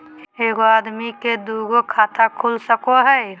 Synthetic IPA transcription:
eːɡoaːd̪miked̪uːɡokʰaːt̪akʰuːlsəkoɦɛː

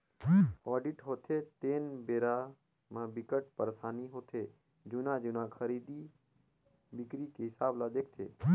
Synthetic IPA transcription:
ɔːɖiʈɦot̪ʰeːt̪eːnbeːɾaː | mãːbɪkəʈpəɾsaːniɦot̪ʰeː | d͡ʒunãːd͡ʒunãːkʰəɾiːd̪iː | bɪkɾiːkeɦɪsaːblaːd͡ʒ̪ekt̪ʰḛː

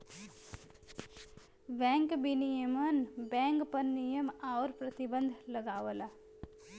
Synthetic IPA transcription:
bɛ̃ːŋkbinijəmənbɛ̃ːŋkpəɾnijəmaoɾpɾət̪ɪbə̃nd̪ʱləɡaːʋəla

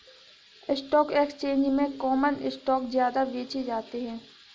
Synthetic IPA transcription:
ɪsʈɔːkeːkst͡ʃẽːɲd͡ʒmẽkɔːmənɪsʈɔːkzjaːd̪aʋeːt͡ʃid͡ʒaːt̪eɦɛ̃ː

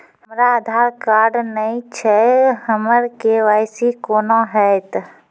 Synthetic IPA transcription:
ɦəmɾaːd̪ʱaːɾkaːɾɖnəĩt͡ʃʰɛəməɾkeʋaːɪsikoːnaɦɛt̪

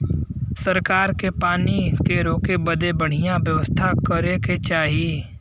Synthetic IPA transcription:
sɐɾkaːɾkepaːnikeɾoːkebəd̪ebəɽ̤ijãʋjɐʋəst̪ʰakəɾeket͡ʃaːɦie

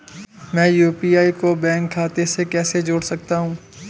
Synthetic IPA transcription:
mɛ̃ːjuːpiːaːikobɛ̃ːŋkʰːaːt̪esekɛːsed͡ʒoːɽsɐk̚t̪aɦũː

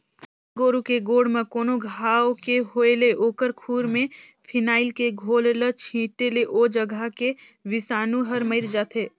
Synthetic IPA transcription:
ɡoːɾukeɡoːɽmẽkoːnoɡʱaːokeɦoːeleʔoːkəɾkʰuːɾmẽpʰɪnaːɪlkeɡʱoːllət͡ʃʰĩːʈeleʔoːd͡ʒəɡʱəke | ʋɪsaːnũɦɐɾməɪɾd͡ʒaːt̪ʰeː

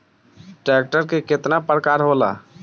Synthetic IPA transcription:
ʈɾɛk̚ʈəɾkeket̪napəɾkaɾɦola̰

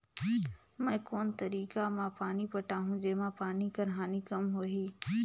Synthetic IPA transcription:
mɛ̃ːkoːnt̪ɐɾiːkamãːpaːnipɐʈaːɦũd͡ʒeːmãpaːnikɐɾɦaːnikɐmɦoːɦiː

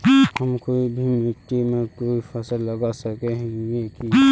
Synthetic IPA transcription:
hɐmkoːibʱimɪʈːimẽkoːifɐsəlːɐɡasɐkeɦɛ̃ɡɡeki

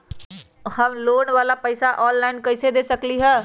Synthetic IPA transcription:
həmloːnʋaːlapəɪsaʔɔːnlaɪnkəɪsed̪eːsəkliɦɛ̃ː

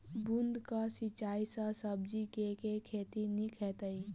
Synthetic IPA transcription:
bʊnd̪kasɪt͡ʃaːisəsəb̚d͡ʒikekekʰeːt̪inikʰɛːt̪əi

